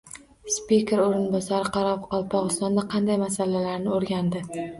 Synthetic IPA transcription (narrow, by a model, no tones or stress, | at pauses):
spikʲe̞ɾoɾɪnbɒsaɾɪqʰɑɾɒpqɒlˠpʰɒʁɨst̪ɒnd̪aqʰɑnd̪ajmasalalaɾnɪoɾɡʲand̪ɪ